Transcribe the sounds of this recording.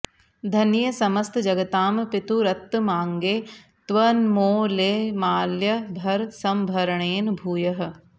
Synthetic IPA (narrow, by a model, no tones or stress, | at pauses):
d̪ʱɐnjɐsɐmɐst̪d͡ʒɐɡɐt̪aːmpɪt̪uɾɐt̪ːmaːŋɡeː | t̪ʋɐnmoːleːmaːljɐbʱɐɾsɐmbʱɐɾɐɳeːnbʱuːjɐɦɐ̆